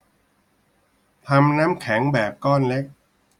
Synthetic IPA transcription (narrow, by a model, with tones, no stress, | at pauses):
t̪ʰa˧mnaː˦˥mkʰɛ˩˦ŋbɛː˨˩p̚kɔː˥˩nle˦˥k̚